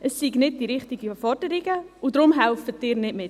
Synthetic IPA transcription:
əsːiɡnɪd̚d̥iɾɪχtiɡəfɔrd̥əɾiɡəudɾʊmɦɛlfətːɪːɾnɪdmɪt

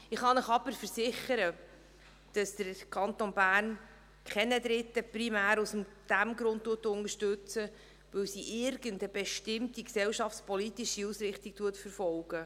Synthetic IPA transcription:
ɪχɑnəχɑbəɾfəɾsɪχəɾə | d̥ɑsd̪̥əɾkʰɑntonbæːrn | kʰχɛnədɾɪtːəpɾimæːɾusm | d̥æmɡɾʊnttːuətʊnəʃtʉt͡sə | ʋɵwsiʔɪɾɡəndəbɛʃtɪmtiksɛwʃɑft͡sspɔlitiʃiusɾɪχtik̚tuətfəɾfɔlɡ̥ə

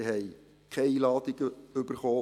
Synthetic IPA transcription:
ɦɛɪj | kʰɛilɑːdɪɡ̥əʏbəɾχoː

